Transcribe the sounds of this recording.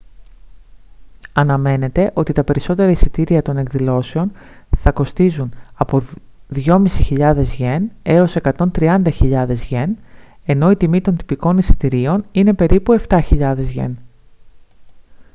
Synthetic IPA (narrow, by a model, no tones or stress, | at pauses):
ɐnɐme̞ne̞t̪e̞ʔo̞t̪it̪ɐpe̞ɾiso̞t̪e̞ɾɐisit̪iɾiɐt̪o̞ne̞kðilo̞seo̞n | θɐko̞st̪izunɐpo̞ | ðʝo̞misiçiʎɐðe̞zʝe̞ne̞o̞se̞kɐt̪o̞nt̪ɾiɐnd̪ɐçiʎɐðe̞zʝe̞n | e̞no̞it̪imit̪o̞nt̪i̥piko̞nisi̥t̪iɾio̞nine̞pe̞ɾipue̞ft̪ɐçiʎɐðe̞zʝe̞̰n